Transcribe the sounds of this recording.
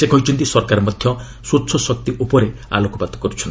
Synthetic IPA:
sekʰɔɦit͡ʃʰɔnt̪isɔɾkaɾɔmɔd̪ʱjɔ | sutːsʰɔsɔk̚t̪iʔupɔɾea̰lokɔbat̪ɔ̥kɔɾut͡ʃʰɔn

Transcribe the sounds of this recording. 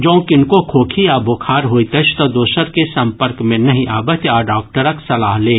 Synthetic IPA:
d͡ʒõːkɪnkokʰoːkʰiaːbokʰaːɾɦoːit̪ɐt͡ʃʰt̪ɐd̪oːsəɾkesɐ̃mpəɾkmẽnɐɦĩʔaːbət̪aːɖaːk̚ʈəɾəksɐlaːɦleː

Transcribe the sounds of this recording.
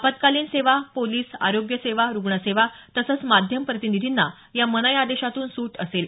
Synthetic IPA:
apət̪kaliːnseʋapoliːsa̰ɾoɡjəseʋaɾuɡɳəseʋat̪əsəːt͡smad̪ʱjəmpɾət̪inid̪ʱinːa | jamənəjad̪eɕat̪uːnsuːʈəsel

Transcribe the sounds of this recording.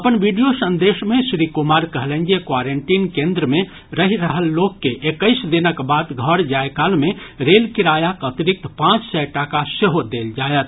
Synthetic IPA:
əpənbiɖijosənd̪eʃmẽsɾikumaɾkəɦlend͡ʒekwaɾeɳʈinkẽnd̪ɾəme | ɾəɦiɾəɦəlːokːeʔekəɪsd̪inəkbad̪ɡʱəɾd͡ʒaekalmeɾelkiɾajakət̪iɾik̚t̪pãt͡ʃsɛjʈakaseɦod̪eld͡ʒajət̪̚ʰ

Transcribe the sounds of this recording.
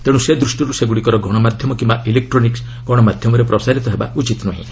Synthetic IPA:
t̪eɽ̃ũsed̪ɾusʈiɾuseɡuɽikɔɾɔɡʱɔɽ̃ɔmad̪ʱjɔmɔkĩmbaʔilek̚ʈɾɔniks | ɡʱɔɽ̃ɔmad̪ʱjɔmɔɾepɾɔsaɾit̪ɔɦeba̰ut͡ʃit̪ɔnɔɦḭ̃

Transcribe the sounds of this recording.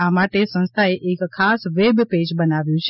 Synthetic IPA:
amaʈesə̃nst̪ʰaeʔekʰːasʋebped͡ʒbənaʋjũt͡ʃʰ

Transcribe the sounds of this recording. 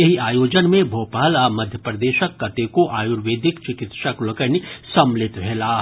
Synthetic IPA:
jɐɦiaːjoːd͡ʒənmẽbʱoːpaːlamɐd̪ʱjəpɾəd̪eːʃəkːɐt̪ekoʔaːjuɾʋeːd̪ɪkt͡ʃɪkɪt̪ʃəklɐkənisɐmlɪt̪ʋʱɛːlaːɦ

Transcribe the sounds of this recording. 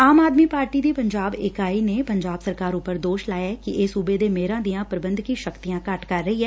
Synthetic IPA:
aːmaːd̪miːpaːɾʈiːd̪iːpəɲd͡ʒaːbɪkaːiːneːpəɲd͡ʒaːbsəɾkaːɾʊpːəɾd̪oːʃlaːjaːkɪʔeːsuːbeːd̪eːmeːɾãːd̪ijãːpɾəbənd̪kĩːʃəkt̪ijãːkəʈkəɾːəiːɦɛː

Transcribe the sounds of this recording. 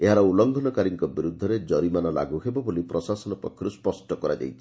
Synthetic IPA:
eɦaɾɔulɔŋɡʱɔnɔkaɾiŋkɔbiɾud̪ʱːɔɾed͡ʒɔɾimanɔla̰ɡuɦebɔbulipɾɔsasɔnɔpɔ̰kʰːjɔɾuspɔsʈɔkɔɾad͡ʒa̰jt͡ʃʰi̥

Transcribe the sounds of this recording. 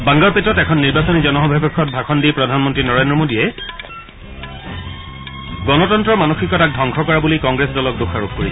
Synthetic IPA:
bãŋɡaɹpetɹɔtɛkʰɔnːiɹbasonizɔnɔɦɔbʱabɛkʰːɔt̚bʱakʰɔndipɹɔdʱanmɔntɹinɔɹendɹɔmodiɛ | ɡɔnɔtɔntɹɔmanoxikɔtak̚dʱɔŋkʰɔkɔɹabulikɔŋɡɹesdɔlɔk̚doxʰaɹok̚koɹis

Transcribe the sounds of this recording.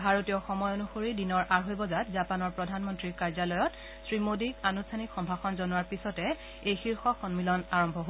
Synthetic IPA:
bʱaɹotijɔxɔmɔjonuxoɹidinɔɹʔaɹɦojbɔzatzapanɔɹpɹɔdʱanmɔntɹiɹkaɹzalɔjɔt | sɹimodikanustʰanikxɔmbʱaxɔnzɔnuwaɹpisɔtɛ | ejxiɹxɔxɔnmilɔnaɹɔmbʱɔɦo

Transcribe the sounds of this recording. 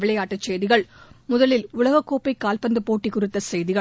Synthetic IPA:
ʋɪɭɐɪaːʈːɐt͡ʃːɛjðɪɣɐɭmʊðɐlɪlʊɭɐɣɐkːoːpɐɪkːaːlpɐnd̪ɯpoːʈːikːʊrɪt̪ːɐsɛjðɪɣɐ

